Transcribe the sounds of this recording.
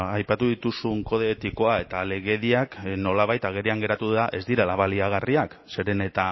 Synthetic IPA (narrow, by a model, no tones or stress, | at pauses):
ajpat̪uðit̪usuŋko̞ð̞eːt̪iko̞ae̞t̪ale̞ɣe̞ðiakno̞laβajt̪aɣ̞e̞ɾiaŋɡe̞ɾat̪uðaʔe̞zd̪iɾalaβaliaɣ̞ariakse̞ɾe̞ne̞t̪a